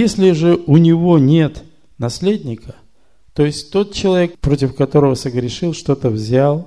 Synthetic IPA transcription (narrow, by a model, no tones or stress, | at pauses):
jesʲlʲɪʐɨʊnʲɪvo̞nʲe̞t̪ | nɐsʲlʲedʲnʲɪkə | t̪o̞ɪsʲtʲt̪o̞t̪̚t͡ɕɪlˠɐvʲe̞k̚pɾo̞tʲɪfkɐt̪o̞ɾəvəsəɡɾʲɪʂɨlˠʂt̪o̞t̪əvzʲalˠ